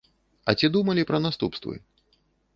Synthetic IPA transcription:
ɐ̰t͡sʲid̪umɐlʲipɾɐnast̪upst̪vɨ̰

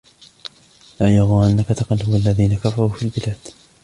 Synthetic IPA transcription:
laːjaɣuːʔanːakat̪ɑqɑlhʊwalːaðiːnakafɑɾˤuːfiːlbɪlaːd̪̥

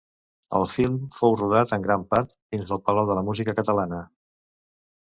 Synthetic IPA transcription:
ə̰lˠfilˠmfowruð̞at̪əŋɡɾampaɾt̪̚d̪inzðəlˠpəlawðələmuzikəkət̪əlanə

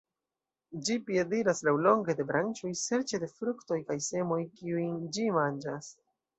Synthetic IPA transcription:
d͡ʒipie̞diɾaslawlo̞ŋɡe̞de̞bɾant͡ʃojse̞ɾt͡ʃe̞de̞fɾukto̞jkajse̞mo̞jkiujnd͡ʒimand͡ʒas

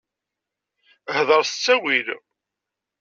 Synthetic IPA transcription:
hðˤəɾˤsət͡sːæwil

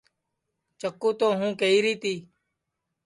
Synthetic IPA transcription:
t͡ʃəkːuːt̪oːɦũːkeiːɾiːt̪iː

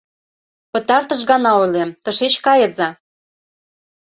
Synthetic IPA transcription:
pə̆t̪ɑrt̪əʃ̬ɣɑnɑojlemt̪ə̆ʃet͡ɕkɑjə̆zɑ

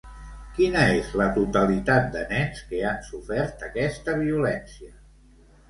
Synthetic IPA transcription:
kinəezlət̪ut̪əlit̪at̪̚d̪ənɛnskeansufɛɾt̪əkɛst̪əβiulɛnsiə

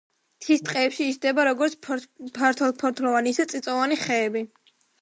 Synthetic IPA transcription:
t̪ʰist̪ʼqʼɛːpʃiːʃd̪ɛbaɾɔɡɔɾt̪spʰaɾt̪ʰɔlˠpʰɔɾt̪ʰlˠɔvanisat̪sʼit̪sʼɔvaniχɛːbi

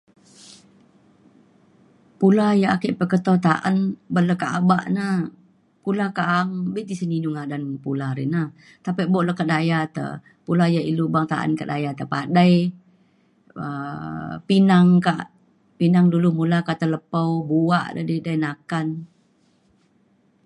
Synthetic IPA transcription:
pulajaakiʔpəkət̪ot̪aʔa̰nbələkaʔabaʔna | pulakaʔaŋbiʔt̪isəninuŋadanpulaɾḭna | t̪apəʔboʔləkadajat̪ə̰ | pulajailubaŋt̪a̰ʔa̰nkaʔdajat̪əpadaj | ə | pinaŋkaʔ | pinaŋdulumulakaʔt̪ələpawbua̰ʔdə̰didajnakan

